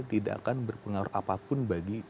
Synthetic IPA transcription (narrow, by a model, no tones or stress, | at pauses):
t̪ida̰ʔa̰kanbərpəŋaʊ̰ra̰papʊnbaɡi